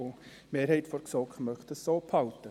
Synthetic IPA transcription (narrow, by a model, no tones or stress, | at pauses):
o | meːɾɦhɛɪtfɔɾksɔːkχmœχtəsoːpʰhɑwtə